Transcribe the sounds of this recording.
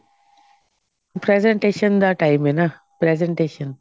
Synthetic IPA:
pɾezeɳʈeːʃənd̪aʈaimena | pɾezeɳʈeːʃən

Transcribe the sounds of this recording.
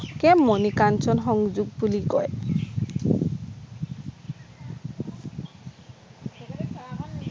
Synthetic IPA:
kɛmːonikansɔnxɔŋd͡ʒuɡ̚bulikɔe

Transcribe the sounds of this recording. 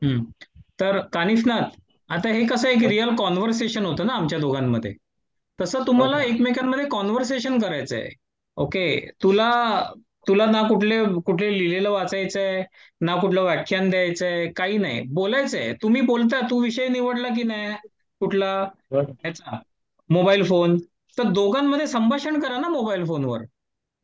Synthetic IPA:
ɦət̪əɾkanifnat̪ | at̪aɦekəsəːek̬ɾijəlkɔnʋəɾs̬eɕənɦot̪əːnaːmt͡ɕjad̪oɡamːə̰d̪ʱːjḛ | t̪əsəːt̪um̤alaekmekjamməd̪ʱːjekɔnʋəɾs̬eɕənkəɾajt͡sə̰j̰ḛ | oket̪ula | t̪ulanakuʈʰlekuʈʰlelileləʋat͡sajt͡se | nakuʈʰləʋakʰːjand̪ʱjajt͡sekaɦiːna̰ɦḭbolajt͡sːjt̪um̤iːbolt̪̬at̪uːʋiɕəjniʋəɽlak̬iːna | kuʈʰlaɦɛt͡sa | mobailfon | t̪əɾd̪oɡamːəd̪ʱːjesəmbʱaɕəɳkəɾanamobailfonʋə̰ɾ

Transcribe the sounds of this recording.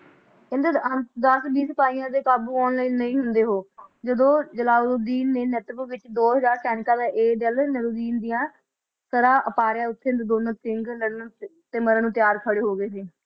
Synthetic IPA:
ɪnd̪eənd̪əsbiːsəpaːiːãːd̪eːkaːbuːɔːnləiːnəĩːɦʊnd̪eːɦoːd͡ʒəd̪õːd͡ʒəlaːlod̪iːnːeːnət̪əbʋɪt͡ʃd̪oːɦəzaːɾkɛːnɪkãːd̪aːʔeːd̪əlnəɾoːd̪iːnd̪ijãː | səɾãːʔəpaːɾjãːʊt̪ʰːed̪d̪oːnəkɪŋɡnəɽnũː | t̪eməɾãːnũːt̪ɪjaːɾkʰəɽeːɦoːɡeːseː

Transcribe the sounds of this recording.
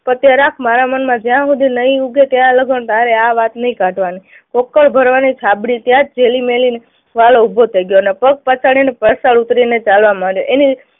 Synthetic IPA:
pət̪jaɾakʰmaɾamənmãd͡ʒjãɦũd̪ʱinəĩuɡet̪jaləɡʱənt̪aɾeaʋat̪nəɦĩkãʈʋani | kokːəɭbʱəɾʋanit͡ʃʰabɽit̪jãt̪̚d͡ʒelimeline | ʋaloubʱot̪ʰəiɡjonepək̚pət͡ʃʰaɽinepəsaɭut̪ɾinet͡ʃalʋamãɽjoʔeni

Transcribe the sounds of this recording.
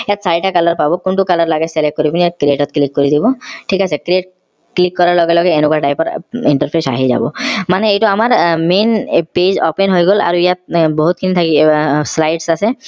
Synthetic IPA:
ejat̪saɾiʈakalɔɾpabɔkunʈukalɔɾlaɡeselek̚ːkoɾibinijat̪̚kɾieʈɔt̪̚klikːoɾid̪ibɔʈʰikasʰekɾieʈ | klikːɔɾaɾlɔɡelɔɡeenokuaʈajpɔɾiɳʈaɾpʰesa̰ɦiza̰bɔ̰maneejʈɔamaɾmenpezɔpenɦojɡola̰ɾuijat̪̚bɔɦut̪̚kʰinit̪ʰakislajɖsase

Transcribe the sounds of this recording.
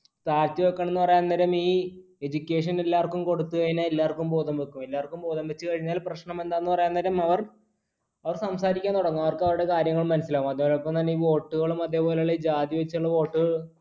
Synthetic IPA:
t̪aːɾt̪ːiʋokːaːɳenːɨpɐrɐjaːnːɐɾɐmiː | ed͡ʑukʲːe̞ːʂ̬ɐnelːaːrkːumko̞ɽut̪ːuɣɐjinaelːaːrkːumpo̞ːðɐmʋekːumelːaːrkːumpo̞ːðɐmʋɐt͡ɕːɨkɐɻiɲːaːlprɐɕɳɐme̞nd̪aːenːɨpɐrɐjaːnɐɾɐmɐʋɐr | ɐʋɐrsɐmsaːɾikʲːaːnt̪oɽɐŋːumɐʋɐrkɐʋɐɾuɽe̞kaːɾjɐŋːɐɭumːɐnɐsilaːʋumɐðepolepːɐmt̪ɐnːeiːʋo̞ːʈːuɣɐɭumɐðe̞ːpo̞ːleɭed͡ʑaːd̪jɐʋɐt͡ɕːuɭːɐʋo̞ːʈːuɣɐɭ

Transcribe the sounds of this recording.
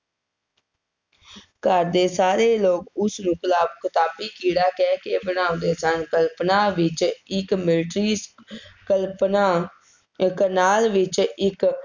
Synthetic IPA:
kəɾd̪eːsaːɾeːloːkʊsnũːkəlaːbkɪt̪aːbiːkiːɽaːkɛːkeːbənaːõːd̪eːsənkəlpnaːʋɪt͡ʃɪkmɪlʈɾiːkəlpna | kənaːlʋɪt͡ʃɪk

